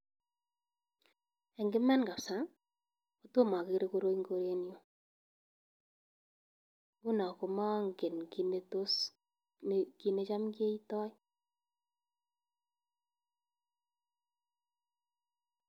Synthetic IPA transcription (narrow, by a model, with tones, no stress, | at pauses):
e˨ŋɡɪ˦mɛ˦nɡa˨psa˨˦ | o˨to˦ma˨ke˨ɾe˦ko˦ɾo˦iŋɡo˦ɾe˦njo˨ | ɡu˦na˨ko˨ma˦ŋɡe˨nki˨ne˨to˦s | ki˦ne˦t͡ʃa˦mke˦i˦tɔ˦i˦